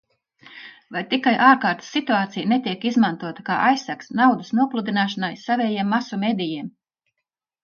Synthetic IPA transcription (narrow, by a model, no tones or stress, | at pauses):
vajt̪ikajʔaːɾkaːɾt̪sːit̪uaːt̪sijnet̪iɛkizmant̪uɔt̪ḁkaːʔajsːæksnawd̪asnuɔplˠud̪inaːʃanajsavʲɛːjiɛmːasumʲeːd̪ʲijiɛm